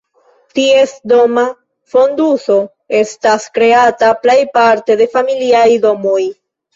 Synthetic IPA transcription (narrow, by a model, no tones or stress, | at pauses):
tie̞sdo̞ma | fo̞nduso̞ | e̞staskɾe̞ataple̞jpaɾte̞de̞familiajdo̞moj